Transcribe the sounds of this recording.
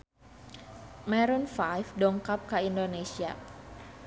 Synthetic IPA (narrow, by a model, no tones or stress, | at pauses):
mɛɾunfajfdɔŋkap̚kaindonesia